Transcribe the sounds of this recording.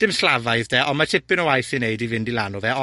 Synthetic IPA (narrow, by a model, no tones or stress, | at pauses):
d̥ɪmslˠavaɨðdɛʔɔnmatʰɪpɪnɔwajθɪnejdivɪndilˠanuðɛɔ